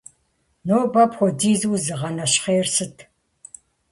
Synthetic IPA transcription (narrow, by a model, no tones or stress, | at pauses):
noːbɐpxʷɔdiːzuwzɨʁɐnɐɕχeːrsɨtʰ